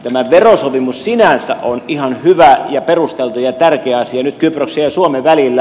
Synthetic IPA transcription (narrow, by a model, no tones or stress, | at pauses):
t̪æmæʋerosopimussinænsæ̰ʔʔonihɑnhyʋæjɑperust̪elt̪ujɑt̪ærkeæɑsiɑnyt̪kyprøksejjɑsuomeʋælilːæ